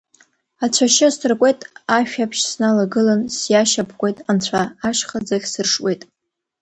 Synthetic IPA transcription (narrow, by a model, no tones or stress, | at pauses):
at͡ɕʷʰaʃɪstʰɨrkʷʼe̞jtʼaʃᶣapʰʃsnalaɡɨlansjaʃapʰkʷʼe̞jtʼant͡ɕʷʰaːʃχad͡zaχʲsɨrʂwejtʼ